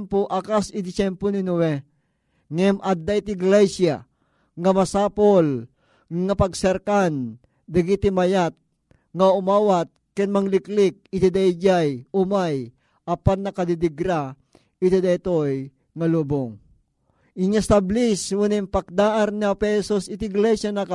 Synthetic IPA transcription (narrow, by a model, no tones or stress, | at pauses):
mpoʔakasɪd̪ɪsɛmponinowɛ | ŋɛmʔad̪ːait̪ɪɡlɛsja | ŋɐmɐsaːpol | ŋapɐɡsɛɾkan | d̪ɐɡit̪imɐjat̪̚ | ŋaʊmaːwat̪̚kɛnmaŋlɪklɪk̚ɪt̪id̪ajd͡ʒajʊmaj | ʔɐpanːɐkad̪id̪ɪɡɾa | ɪt̪id̪ajt̪oj | ŋɐluːboŋ | ɪŋast̪abliswunɪmpak̚d̪aːʔanniapɛsosɪt̪iɡlɛsjanaka